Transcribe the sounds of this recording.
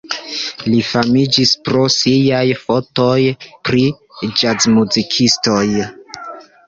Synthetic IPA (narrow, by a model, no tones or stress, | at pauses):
lifamid͡ʒispɾo̞sijajfo̞to̞jpɾi | d͡ʒazmuzikʰisto̞j